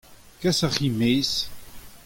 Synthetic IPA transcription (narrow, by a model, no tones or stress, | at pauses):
kæsaχimis